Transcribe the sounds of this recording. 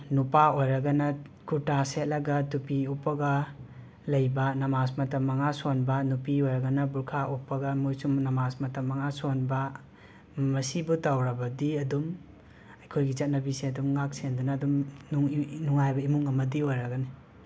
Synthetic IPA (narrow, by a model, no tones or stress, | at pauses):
nupaojɾɐɡɐnɐkuɾtaset̚lɐɡɐtupiupːɐɡɐ | lɐjbɐnɐmasmɐtɐmːɐŋasonbɐnupiojɾɐɡɐnɐbuɾkʰaʔupːɐɡɐmojsumnɐmasmɐtɐmːɐŋasonbɐ | mɐsibutawɾɐbɐdiɐdum | ɐjkʰojɡit͡ʃɐt̚nɐbiseɐdumŋak̚sendunaːdumnuŋnuŋajbɐimuŋɐmɐdiojɾɐɡani